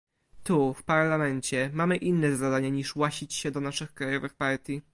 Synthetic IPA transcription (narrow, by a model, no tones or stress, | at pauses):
t̪ufpaɾlamɛɲt͡ɕɛmamɘʔinːɛzad̪aɲaɲiʂwaɕit͡ɕɕɛd̪ɔnaʂɘxkɾajɔvɘxpaɾt̪ʲji